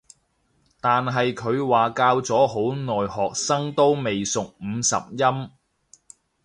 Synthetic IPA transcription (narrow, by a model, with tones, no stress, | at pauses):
t̪aː˨nɦɐ˨jkʰɵ˨˧ɥwaː˨kaː˧wt͡sɔː˨˥ho˨˥wnɔː˨jhɔː˨k̚sɐ˥ŋt̪o˥wme˨jsʊ˨k̚m̩ː˨˧sɐ̰˨p̚jɐ˥m